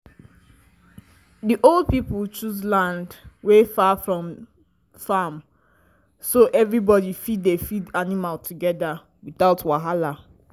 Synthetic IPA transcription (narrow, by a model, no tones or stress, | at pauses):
diʔolˠd̚piplt͡ʃuzlãndwefafɹɔ̃m | fam | soʔɛvɹibɔdifiddefidanimaltʰuɡɛda | wiθaʊtwaɦala